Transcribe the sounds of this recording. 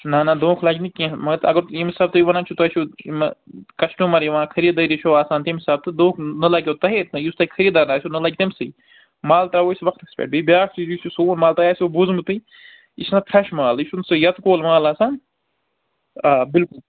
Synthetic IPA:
nanad̪õːkʰlaːɡʲnikʲĩmɐt̪ɐɡɐɾimisaːb̚t̪ɨjiʋɐnaːnt͡ʃʰut̪ɐʃumkɐʃʈũːmɐɾjiʋãːkʰɐɾid̪ɐɾʲit͡ʃʰoːaːsaːnt̪imisaːb̚t̪ɨd̪õːkʰnɐlɐkʲoːt̪ɐɦeːt̪nɐjust̪ɐikʰɐɾid̪aːnaːsʰʲunɨlɐːɡ̚ʲt̪imsɨj | maːlt̪aːʋoːisʋɐkʰt̪ɐkspʲḛʈ̚bibʲjaːkt͡ʃʰijususoːnmaːlt̪ajaːsobuzmɨt̪ɨ | isnɐpʰɾɐʃmaːliʃunsɨjɐt̪koːlmaːlaːsaːn | abɪlkul

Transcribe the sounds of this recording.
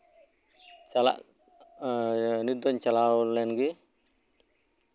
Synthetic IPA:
t͡ʃala̰ʔ | nid̪ɔɲt͡ʃalawɔlːɛnɡi

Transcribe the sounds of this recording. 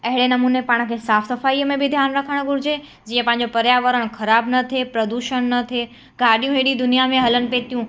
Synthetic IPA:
ɐɦɪɽenɐmuːnepaːɽ̃̆kʰeːsaːfsɐfaːiːəmẽbʱɪd̪ʱjaːnɾɐkʰəɽ̃̆ɡʱʊɾɪd͡ʑe | d͡ʑiːə̃pɐ̃ɦɪ̃ɲd͡ʑopɐɾjaːʋəɾəɽ̃xɐɾaːbnɐt̪ʰepɾɐd̪uːʃəɽ̃nɐt̪ʰe | ɡaːɗijũɦeɗid̪ʊnijamẽɦɐlənɪ̆pet̪ʰijũ

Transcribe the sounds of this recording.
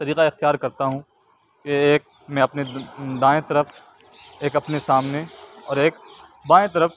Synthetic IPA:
t̪ɐɾiːqaɪxt̪ijaːɾkɐɾt̪aɦũ | keːk̚ | mɛ̃ɐpned̪aːẽt̪ɐɾəf | eːkɐpnesaːmneɔːɾeːk̚b̪ãːẽt̪ɐɾəf

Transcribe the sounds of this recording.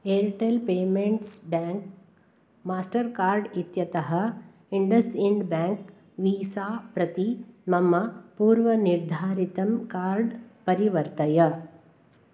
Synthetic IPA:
eːɾʈelpeːmeɳʈsbaːŋk̚ | maːsʈɐɾkaːɾɖit̪jɐt̪ɐɦɐ̆ | iɳɖɐsiɳɖbaːŋk | ʋiːsaːpɾɐt̪imɐmːɐpuːɾʋɐniɾd̪ʱaːɾit̪ɐmkaːɾɖpɐɾiʋɐɾt̪ɐjɐ

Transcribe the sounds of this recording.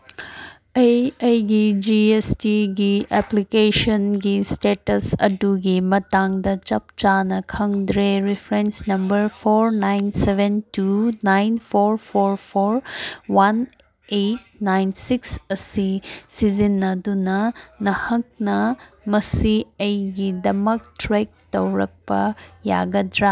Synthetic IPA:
ɐejɐjɡid͡ʒiestiɡiɛplikesɐnɡistetɐsɐ̰duɡimɐtaŋdɐt͡ʃɐp̚t͡ʃanɐkʰɐŋdɾeɾipʰɾensnɐmbɐɾpʰoɾnajnsebʱentunajnpʰoɾpʰoɾpʰoɾwɐn | et̚ | najnsiksɐsisizinːɐdunɐnɐhɐk̚nɐ | mɐsiɐjɡidɐmɐktɾek̚tɐwɾɐk̚pɐ̰ja̰ɡɐd̪ɾa

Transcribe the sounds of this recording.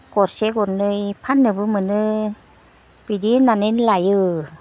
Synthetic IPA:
kotseɡoɯjpʰanːɯbɯmɯnɯ | pidinanenlajɯ

